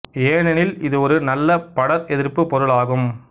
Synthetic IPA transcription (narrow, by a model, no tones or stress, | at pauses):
eːnɛnɪlɪðɯɔɾɯnɐlːɐpɐɽɐɾɛðɪɾpːɯpɔɾɯɭaːɣɯm